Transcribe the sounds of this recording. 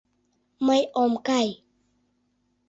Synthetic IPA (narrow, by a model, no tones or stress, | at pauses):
majʔɔːmkaj